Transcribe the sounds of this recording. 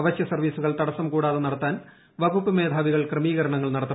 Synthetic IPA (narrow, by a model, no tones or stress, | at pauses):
ʋɐɕjɐsɐrʋiːsuɣɐɭt̪ɐɽɐsɐmkuːɽaːðɨnɐɽɐt̪ːaːn | ʋɐɣupːɨme̞ːd̪ʱaːʋiɣɐɭkremiːɣɐɾɐɳɐŋːɐɭnɐɽɐt̪ːɐ